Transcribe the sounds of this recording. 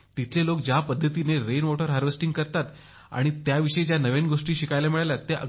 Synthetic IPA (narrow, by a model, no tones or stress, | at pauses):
t̪it̪ʰlelok̚d͡ʑapəd̪ʱːət̪ineɾenmoʈəɾɦaɾʋesʈĩŋɡkəɾt̪at̪ | a̰ɽ̃it̪jaʋiʂəed͡ʑjanəʋenɡoʂʈiːɕikajlamiɭaljat̪ːeʔə̰